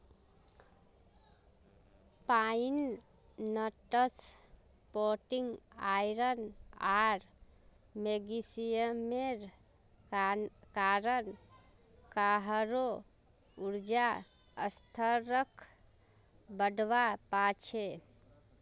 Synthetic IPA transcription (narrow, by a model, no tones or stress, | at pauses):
painː | əʈət͡ʃ | poʈiŋɡajɾənaɾ | meɡisijəmeɾ | kaɾən | kaɦɾo | uɾd͡ʒa | ə̰st̪ʰəɾəkʰ | bəɖʋapat͡ʃʰe